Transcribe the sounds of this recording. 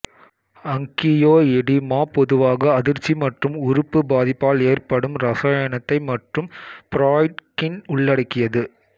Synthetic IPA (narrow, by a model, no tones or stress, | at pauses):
ɐŋkɪjoːɛɽimaːpɔðɯʋaːɣɐɐðɪɾt͡ʃːimɐʈrɯmʊɾʊpːɯbaːðɪpːaːleːrpɐɽɯmɾɐsaːjɐnɐt̪ːɐɪmɐʈrɯmpɪɾaːɪʈkɪnʊɭːɐɽɐkːɪjɐðɯ